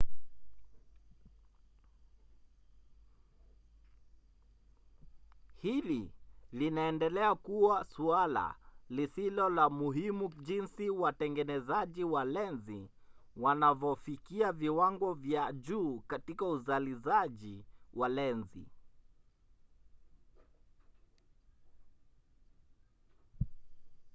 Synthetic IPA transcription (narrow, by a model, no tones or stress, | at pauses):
hililinaɛndɛlɛakuwasuala̰lisilɔlamuɦimuʄinsiwatɛŋɡɛnɛzaʄiwalɛnzi | wanavɔfikiaviwaŋɡɔvjaʄuːkatikauzalizaʄiwʔalɛnzḭ